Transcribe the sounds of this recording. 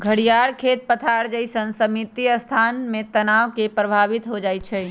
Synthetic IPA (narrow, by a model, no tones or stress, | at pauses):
ɡʱəɽijaɾkʰet̪̚pət̪ʰaɾd͡ʒəɪsənsəmit̪iəst̪ʰanmet̪ənaʋkepɾəbʱabit̪ɦod͡ʒajt͡ʃʰɛ